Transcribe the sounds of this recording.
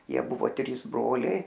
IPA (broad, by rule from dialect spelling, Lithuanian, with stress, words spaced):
ˈjiɛ ˈbʊʋoː ˈtʲrʲiːs ˈbroːlʲɛɪ